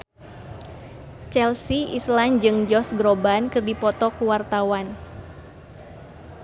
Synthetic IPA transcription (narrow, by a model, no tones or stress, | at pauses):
t͡ʃɛlsiʔisland͡ʒɨŋd͡ʒɔsɡɾobankɨrdipɔt̪ɔkuwart̪awan